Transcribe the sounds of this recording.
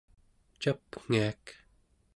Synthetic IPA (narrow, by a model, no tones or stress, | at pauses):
t͡ʃapŋ̥iak